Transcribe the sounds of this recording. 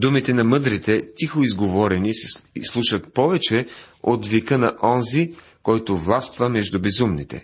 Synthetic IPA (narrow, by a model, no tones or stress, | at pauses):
d̪umit̪ɛnɐmɤd̪ɾit̪ɛt̪ixoizɡovɔɾɛnisɛslˠuʃət̪̚pɔvɛt͡ʃɛ | ot̪vikənɐʔɔnzi | kɔjt̪ovlˠast̪vəmɛʒd̪ʊbɛzumnḭt̪ɛ̰